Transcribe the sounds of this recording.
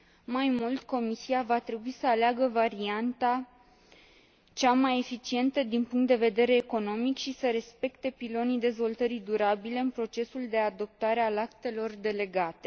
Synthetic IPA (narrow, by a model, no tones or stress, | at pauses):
majmult̪ko̞misiavat̪ɾe̞buisəaleaɡəvaɾiant̪a | t͡ʃamaje̞fit͡ʃie̞nt̪əd̪inpuŋkt̪d̪e̞ve̞d̪e̞ɾe̞ːko̞no̞mikʃisəɾe̞spe̞kt̪e̞pilo̞nid̪e̞zvo̞lt̪əɾid̪uɾabile̞ɨnpɾo̞t͡ʃe̞suld̪e̞ad̪o̞p̚t̪aɾe̞alakt̪e̞lo̞rd̪e̞le̞ɡat̪e̞